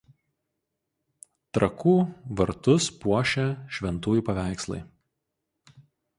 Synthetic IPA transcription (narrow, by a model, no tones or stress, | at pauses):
t̪ɾɐkuːʋɐɾt̪ʊspuɔʃʲɛʃʲʋʲɛnt̪uːjuˑpɐʋʲæˑɪkslˠɐ̰ɪ